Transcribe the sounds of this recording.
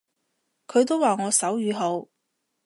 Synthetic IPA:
kʰɵ˨˧ɥt̪̬o˥waː˨ŋɔː˨˧sɐ˨˥wjyː˨˧ɦo˨˧w

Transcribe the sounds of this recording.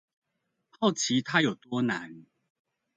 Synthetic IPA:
xɑ˥˩ʊt͡ɕʰi˨˦t̪ʰa˥jo˨˩ʊt̪wɔ˦na˨˦n

